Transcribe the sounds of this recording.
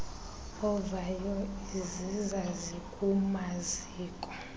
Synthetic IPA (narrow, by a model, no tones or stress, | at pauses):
ɔvajɔizizazikʼumaziːkʼɔ